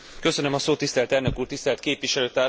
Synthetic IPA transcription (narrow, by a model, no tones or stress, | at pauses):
kø̞sønø̞mɒsoːt̪ːist̪ɛlt̪ɛrnøkuːrt̪ist̪ɛlt̪keːpʋiʃɛløːt̪aː